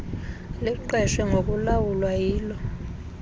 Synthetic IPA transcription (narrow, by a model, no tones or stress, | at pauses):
liǃɛʃwɛŋok̬ʼulawulwajiːlɔ